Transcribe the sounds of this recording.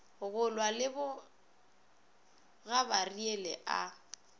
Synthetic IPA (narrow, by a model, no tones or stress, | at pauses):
ɣʊlwalɪbʊ | ɣabarielɛʔa̰